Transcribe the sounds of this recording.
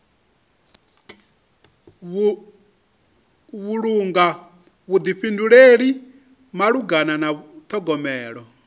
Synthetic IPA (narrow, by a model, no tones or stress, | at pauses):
βuɺuŋɡa | βud̪iɸinduɺeɺi | maɺuɡananat̪ʰɔɡɔmɛːɺɔ